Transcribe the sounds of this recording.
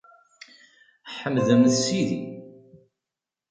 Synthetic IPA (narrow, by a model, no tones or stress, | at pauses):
ħəmðəmθsiði